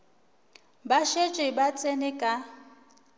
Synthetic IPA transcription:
baʃet͡ʃʼɪbat͡sʼenɪkʼa

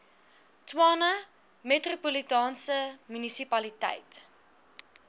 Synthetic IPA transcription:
twɑːnə | metropulitɑːnsəmynisipɐlitɛ̰jt

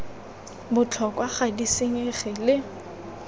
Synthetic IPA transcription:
bʊt͡ɬʰɔkʼwaχadisɪŋ̩eχɪlɪ

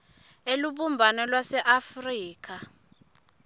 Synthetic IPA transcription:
eluɓumbʱanɛlwasɛʔafriːk̬ʰa

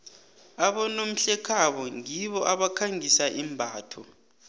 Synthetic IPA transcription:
aɓɔnom̩ɬɛkʰaɓɔŋiɓɔʔaɓakʰaŋisaʔimbʱaːtʰɔ̰

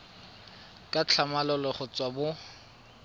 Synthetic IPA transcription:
kʼat͡ɬʰamalɔlɔχʊt͡sʼwabʊ

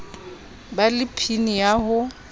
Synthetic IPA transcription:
balɪpʰinijaɦʊ

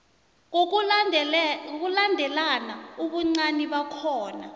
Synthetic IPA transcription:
k̬ulandʱɛlanauɓuŋ͡ǀaniɓakʰɔːna

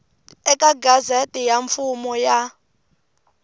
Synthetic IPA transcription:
ɛkʼaɡazatʼijaɱfumɔja

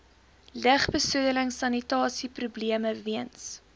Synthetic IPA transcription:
ləχbəsudələŋsɐnitɑːsiprubliəməviəns

